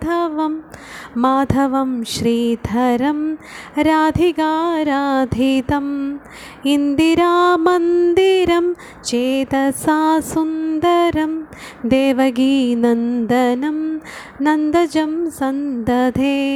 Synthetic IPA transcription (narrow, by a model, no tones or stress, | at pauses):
t̪ʰɐʋɐmː | aːt̪ʰɐʋɐmʃɾiːd̪ʱɐɾɐmɾaːd̪ʱiɡaːɾaːd̪ʱit̪ɐm | ind̪iɾaːmɐnd̪iɾɐm | t͡ʃeːt̪ɐsaːsund̪ɐɾɐmd̪eːʋɐɡiːnɐnd̪ɐnɐm | nɐnd̪ɐd͡ʒɐmsɐnd̪ɐd̪ʱeː